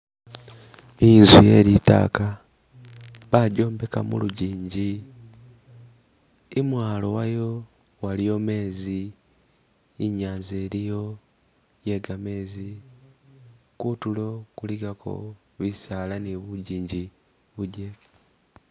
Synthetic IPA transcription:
inzijeɾita̰ːka | βaɟo̞ːmbe̞ka̰mṵluɟiːɲɟi | imwaːlo̞wajo | walijo̞me̞ːzi | ɲaːnzeːɾijo̞ | je̞ɡame̞ːzi | kutulo̞kuliɡakʰo̰ | βisalaniβuɟiːɲɟi | βuɟeke̥

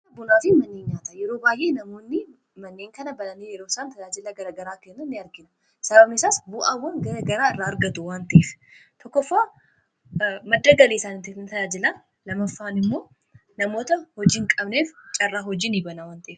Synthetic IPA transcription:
ɐbʊnaːfɪmɐnːeːɲɲaːt̪ɐjɛɾo̞ːbaːjʔe̞ːnɐmo̞ːnːɪ | mɐnːe̞ːŋkɐnɐbɐlɐnijɛɾoːsaːnt̪ɐd͡ʒaːd͡ʒɪlɐɡɐɾɐɡɐɾaːkenːʊnːɪɐɾɡɪnɐ | sɐbɐbnɪsaːsbʊʔawːɐŋɡɐɾɐɡɐɾaːɪrːaːɐɾɡɐt̪ʊwaːnt̪ɐʔeːf | t̪ʰɔkːɔfːaː | mɐd̪ːɐɡɐleːsaːnɪt̪efnɪt̪ɐd͡ʒaːd͡ʒɪlɐ | lɐmɐfːaːnɪmːo̞ː | nɐmo̞ːt̪ɐhɔd͡ʒɪːŋkʼɐbneːft͡ʃʼɐrːaːɦɔd͡ʒɪnɪbɐnɐwaːnt̪ɐeːf

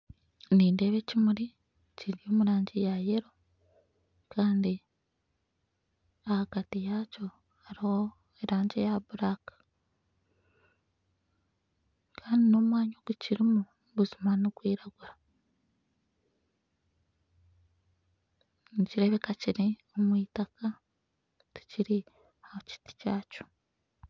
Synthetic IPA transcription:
niːnde̞βe̞cimuɾi | ciɾo̞ːmuɾaːɲɟijaje̞ɾo̞ | kaːndi | ahakatijaco̞ | haɾiho̞ | eɾaːɲɟejabuɾakḁ | kʰaːndino̞ːmwaːɲoɡuciɾimu | βuzimaniɡwiːɾaɡuɾa | ɲciɾe̞βe̞kaciɾiomwiːtaka | ti̥ciɾi | hahoci̥ti̥caːco̥

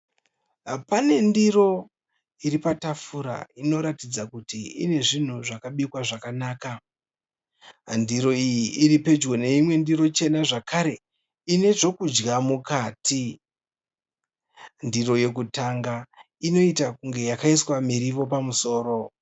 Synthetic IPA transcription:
pane̞ndiro̞ | iɾipatafuɾa̰ino̞ɾatid͡zakutiḭne̞ʐin̤uʐakaɓikwaʐakanaːka | ndiɾo̞ijiʔiɾipe̞d͡ʒɡo̞ne̞imwe̞ndiɾo̞t͡ʃe̞naʐakʰaɾe̞ | ine̞ʐo̞kud͡ʒɡamukaːti | ndiɾo̞je̞k̬utaŋɡa | ino̞itakuŋɡe̞jakaiswamiɾiʋo̞p̬amuso̞ːɾo̞

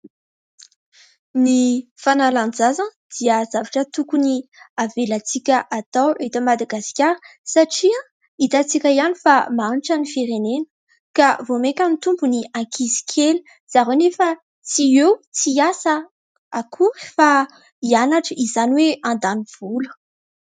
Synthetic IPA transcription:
nifanaland͡zazən | d̪̥iəzavaʈ͡ʂət̪ukuniavelat͡sikʲəʔat̪awet̪əmad̪aɡaskʲjaɾə̥saʈ͡ʂiã | it̪at͡sikʲəianifamanʈ͡ʂənifiɾenenə̥ | kavomekʲanit̪umbuniãkʰizi̥kʲʰeli̥ | z̥aɾwenefə | t͡siewt͡siasə | akʰuɾi̥fa | ianaʈ͡ʂəizaniweãnd̪aniv̥ulə̥

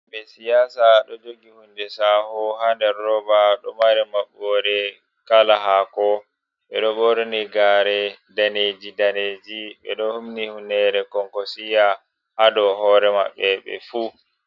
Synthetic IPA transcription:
ɓɛsijaːsaɗɔd͡ʒoɡihundɛsahɔhandɛɾːɔbaɗɔmaɾɛmaɓɔɾɛ | kalaɦakɔ | ɓɛ̰ɗɔɓɔɾɛniɡaɾɛdaned͡ʒidaned͡ʒiɓɛ̰ɗɔhumnihunɛɾɛkɔŋkɔsija | hadɔɦɔɾɛma̰ɓːɛɓɛ̰fu

